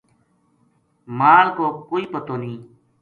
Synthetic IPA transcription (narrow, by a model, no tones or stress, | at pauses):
maːlkoːkoːiːpət̪oːnĩː